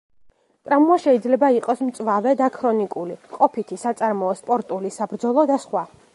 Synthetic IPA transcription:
t̪ʼɾamuaʃɛid̪zlɛbaiqʼɔsmt̪sʼwavɛd̪akʰɾɔnikʼuliqʼɔpʰit̪ʰisat̪sʼaɾmɔːspʼɔɾt̪ʼulisabɾd̪zɔlˠɔd̪asχwa

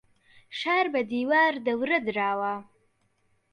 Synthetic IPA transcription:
ʃɑɾbad̪iwɑɾd̪əwɾəd̪ɾɑwa

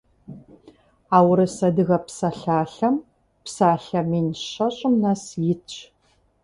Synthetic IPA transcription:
aːwɾɨsɐdɨɣɐpsɐɬaːɬɐm | psaːɬɐminɕɐɕʼɪmnɐsjɪt͡ʃʰʼ

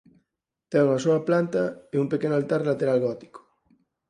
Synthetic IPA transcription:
t̪ɛuŋɐsoɐplant̪ɐeumpekenʊalt̪aɾlat̪eɾalɣɔt̪i̥ko̥

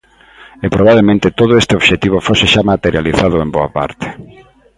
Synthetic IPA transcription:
epɾoβ̞aβlemẽnt̪et̪oð̞ʊest̪eoʃet̪iβ̞ofoseʃamat̪eɾjaliθaðʊemboa̰pa̰ɾt̪e̥

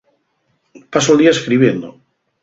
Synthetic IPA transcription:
pas̬old̪iaeskɾiβjend̪o

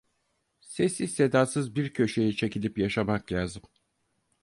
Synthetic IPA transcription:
se̞sise̞d̪aːsɯzbiɾcʰø̞ʃe̞jit͡ʃʰe̞cilʲipjaʃamaklʲaːzɯm

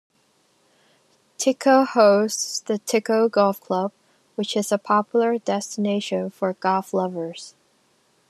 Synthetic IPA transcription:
tʰɪkʰoʊhoʊstsðɨtʰɪkoʊɡɔlˠfkʰl̥ʌb̥̚ | wɨt͡ʃɨzəpʰɑpʰjl̩ˠə˞dɛstɨneɪʃɨ̃nfə˞ɡ̥ɔlˠflʌvə˞z̥

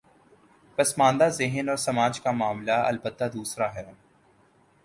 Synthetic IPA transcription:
pɐsmãːnd̪azɪɦənɔːɾsɐmaːd͡ʒkamaːmlaɐ̰lbət̪ːad̪uːsɾaɦɛː

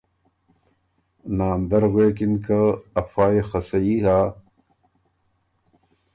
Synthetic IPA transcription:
naːnd̪ɐɾɣeːkinkɐɐfaːexɐsɐiɦaː

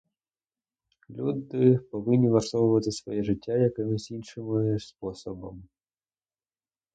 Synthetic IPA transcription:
lʲud̪ɪpɔʋɪnʲːiʋɐrsɔʋʊʋɐt̪ɪsʋɔjɛʐɪtʲːajɐkɪmɪzʲinʂɪmɪspɔsɔbɐm

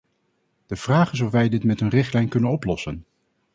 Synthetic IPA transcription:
d̥əv̥raːχɪs̬ɔfʋɛjdɪtmɛtɦənrɪχtlɛjnkɵnənɔplɔsən

